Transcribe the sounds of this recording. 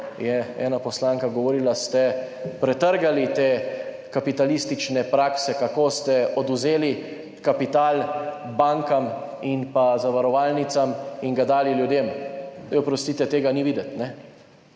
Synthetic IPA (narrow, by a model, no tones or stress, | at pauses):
jɛɛ̰ːnapɔslaːŋkaɡɔʋɔɾiːlast̪ɛpɾɛt̪əɾɡalit̪eː | kapit̪alist̪it͡ʃnɛpɾaːksɛkakoːst̪ɛɔd̪uzeːli | kapit̪aːlbaŋkaminpazaʋaɾɔʋaːlnit̪samiŋɡad̪aːliljud̪eːmopɾɔst̪iːt̪ɛt̪eːɡaniʋiːd̪ɛt̪nɛ